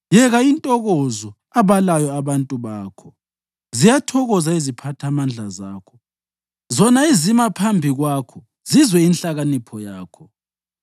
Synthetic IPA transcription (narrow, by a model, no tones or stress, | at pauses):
jɛɣaintʼɔɣɔzɔ | aβalajɔaβantʼuβaːkʰɔ | zijatʰɔɣɔzaizipʰatʰamand͡ɮʱazaːkʰɔ̥ | zɔnaizimapʰambʱiɣwaːkʰɔ | zizwɛinɬaɣanipʰɔjaːkʰɔ